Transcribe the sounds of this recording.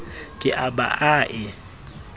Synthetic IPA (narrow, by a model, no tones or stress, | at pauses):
kʼɪʔaba̰ʔaːʔɪ